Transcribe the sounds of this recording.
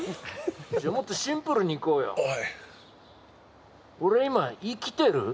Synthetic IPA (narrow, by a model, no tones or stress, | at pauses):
d͡ʑamot̪ːoɕĩmpɯɾɯɲ̟iiko̞ːjo̰ | oɾe̞imaikʲi̥t̪e̞ɾɯ